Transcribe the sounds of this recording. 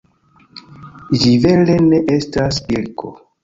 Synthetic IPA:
d͡ʒive̞leneʔestasilko̰

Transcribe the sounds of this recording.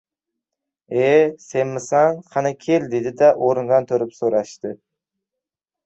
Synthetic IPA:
esenmɪsaŋqʰɑnɑkʲʰeld̪ed̪ɪd̪aʔoɾɨŋʁɑnt̪ʰoɾɪpsoɾɑʃt̪ɪ

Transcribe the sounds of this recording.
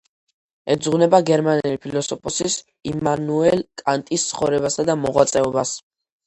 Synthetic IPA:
ɛd̪zʁunɛbaɡɛɾmanɛlipʰilɔsɔpʰʼɔsis | imanuɛlkʼant̪ʼist̪sʰχɔvɾɛbasad̪amɔʁwat̪sʼɛɔbas

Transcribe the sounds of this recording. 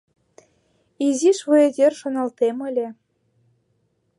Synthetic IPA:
iziʃvued̪ʲerʃŏnɑlt̪emɘ̆lʲĕ

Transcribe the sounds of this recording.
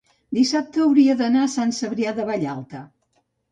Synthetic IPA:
d̪isap̚t̪əːwɾiəðənasansəβɾiaðəβaʎalˠt̪ə

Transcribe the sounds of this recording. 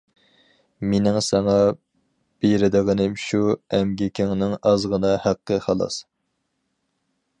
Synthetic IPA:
menɪŋsɛŋɑ | b̥eɾɪd̪əʁənɪmʃuɛmɡʲɪkʲʰɪŋnɪŋɑzʁənɑhæqːəχɑlˠɑ̰s

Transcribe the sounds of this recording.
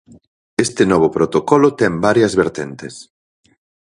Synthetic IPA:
est̪enɔβ̞opɾot̪okɔlot̪ɛmbaɾjɐzβeɾt̪ent̪es

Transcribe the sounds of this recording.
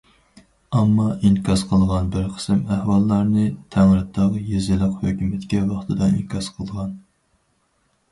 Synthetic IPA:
ɑmːɑʔinkʰʲɑsqʰəlˠʁɑnbɪɾqʰə̥sɨmæhwɑlˠːɑɾnɨt̪ʰæŋɾɨt̪ʰːɑʁjezɪlˠəqhøkʲymɛt̪kʲʰɛwɑχt̪ʰɨd̪ɑḭnkʲʰɑsqʰəlˠʁɑn

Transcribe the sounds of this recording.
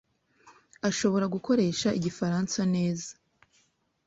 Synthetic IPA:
aʃo̞βo̞ɾaɡuko̞ɾe̞ːʃaʔiɟifaɾansane̞ːzḁ

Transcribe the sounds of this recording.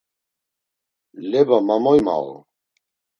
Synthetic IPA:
lɛbamamɔjma̰l

